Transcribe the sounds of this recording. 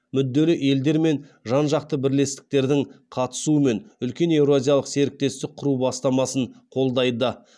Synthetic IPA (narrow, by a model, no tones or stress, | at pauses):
mʏd̪ːe̞lɪʔe̞ld̪e̞ɾme̞nʒɑnʒɑq̚t̪əbɪɾle̞st̪ɪ̥k̚t̪e̞ɾd̪ɪŋqʰɑt̪ə̥suəme̞nʏlkʲe̞ne̞wɾoazʲijɑlˠəqse̞ɾɪk̚t̪e̞st̪ɪk̚qʰʊɾubɑst̪ɑmɑsəɴqʰo̞lˠd̪ɑjd̪ə